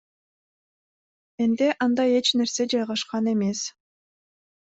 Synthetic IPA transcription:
end̪eʔɑnd̪ɑje̞t͡ʃne̞ɾse̞d͡ʒɑjʁɑʃqɑne̞me̞s

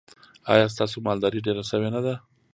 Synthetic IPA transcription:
ɑ̰jɑs̬t̪ɑsomɑld̪ɑɾiɖeɾaʃəwenad̪a

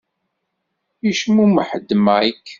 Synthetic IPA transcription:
iʃmuməħəd̪ːmaikː

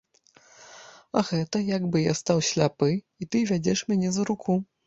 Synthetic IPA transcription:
ɐɣɛt̪ɐjaɡbɨjast̪awsʲlʲapɨ | it̪ɨvʲad͡zʲɛʂmʲanʲɛzɐɾukʰu

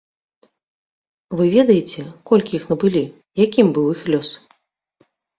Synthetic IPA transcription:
vɨvʲɛd̪ɐjet͡sʲɛkɔlʲkʲiixnɐbɨlʲi | jakʲimbɨwixlʲɔs

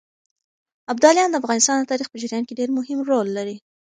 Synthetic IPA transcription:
ab̚d̪ɑljɑnd̪əafɣɑnɪst̪ɑnd̪ət̪ɑɾixpəd͡ʒaɾjɑnkeɖeɾmʊhɪmɾolːaɾi

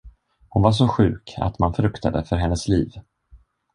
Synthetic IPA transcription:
hʊnvaʂ̬ɔɧʉ̟ːkʰa̰t̪manfɾɵkt̪ʰa̰d̪əfœɾɦɛnːəsliːv

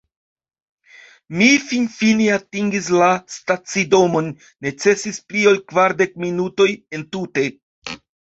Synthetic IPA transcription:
mifinfiniatiŋɡis̬lastat͡sido̞mo̞nː | e̞t͡se̞sisplio̞lkvaɾde̞k̚minuto̞je̞ntute̞

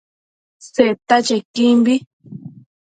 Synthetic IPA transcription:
set̪at͡ʃekimbi

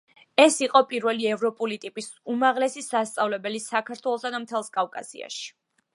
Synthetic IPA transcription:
ɛsiqʼɔpʼiɾvɛliɛvɾɔpʼulit̪ʼipʼisumaʁlɛsisast̪sʼavlɛbɛlisakʰaɾt̪ʰwɛlˠɔsad̪amt̪ʰɛlˠskʼavkʼa̰sḭa̰ʃi̥

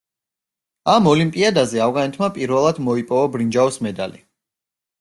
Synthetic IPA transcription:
amɔlimpʼiad̪azɛavɣanɛt̪ʰmapʼiɾvɛlˠad̪mɔipʼɔvabɾind͡ʒaɔsmɛd̪a̰li

